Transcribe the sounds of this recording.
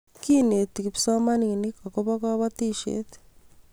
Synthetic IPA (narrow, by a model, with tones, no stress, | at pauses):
ki˦ne˨t̪i˨ki˨psa˦ma˦ni˨ŋi˨ni˦ka˨kɔ˦βa˦ka˦βat̪i˦ʃḛ˦t̪